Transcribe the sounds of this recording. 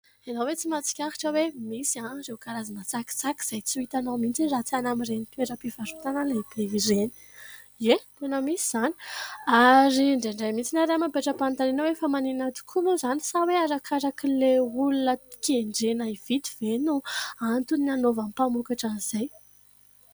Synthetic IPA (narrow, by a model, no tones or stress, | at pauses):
enawet͡simat͡si̥kʲaɾi̥ʈ͡ʂəwemisiãɾewkaɾazinat͡saki̥t͡saki̥z̥ajt͡suit̪anawmint͡sirat͡sianamirenit̪uweɾəpivaɾut̪anəlebeireni̥ | et̪enəmisiz̥ani̥aɾiɳɖ͡ʐeɳɖ͡ʐajmit͡sinaɾamampeʈ͡ʂəpant̪anenəwefəmaninat̪u̥kʰumuzani̥saweaɾakʰaɾakileulunə̥keɳɖ͡ʐenaiv̥it̪iv̥enuant̪unanovamipamukaʈ͡ʂaniz̥aj